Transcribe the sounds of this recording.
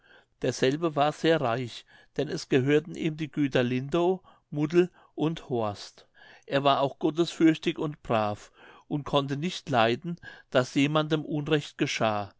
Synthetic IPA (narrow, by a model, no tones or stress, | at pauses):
d̥eːɐz̥ɛlbəvaːɐz̥eːɐʁaɪç | d̥ɛnɛsɡ̥əɦøːɐtn̩ʔiːmdiːɡyːtɐlɪndoː | mʊdl̩ | ʔʊnthoːɐst | ʔeːɐvaːɐʔaʊxɡ̥ɔtəsfʏɐçtɪçʊntb̥ʁaːfʔʊnt̚kʰɔntənɪçtlaɪdn̩d̥asjeːmandəmʔʊnʁɛçt̚ɡ̥əʃaː